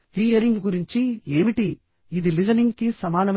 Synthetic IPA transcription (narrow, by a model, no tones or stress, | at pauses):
ʋ̪iːɐɾɪŋɡɯkʊɾɪɲt͡ʃieʋiʈːi | ɪðɯlɪd͡ʒɐnɪŋɡkisɐmaːnɐʋ